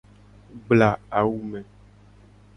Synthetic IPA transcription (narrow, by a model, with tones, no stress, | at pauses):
ɡ͡bla˨a˨wu˦mɛ̃˨